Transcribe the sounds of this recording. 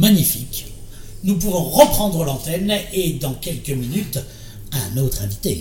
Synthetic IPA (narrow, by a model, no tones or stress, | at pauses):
maɲifik | nup̬uvɔ̃ʁəpχɑ̃d̪ʁəlɑ̃t̪ɛned̪ɑ̃kʲɛlkəminyt̪ | ɛ̃not̪χɛ̃vit̪ḛ